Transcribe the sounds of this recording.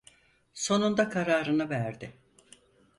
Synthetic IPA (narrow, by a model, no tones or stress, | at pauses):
so̞nund̪akʰaɾaːɾɯnɯvæɾd̪ɪ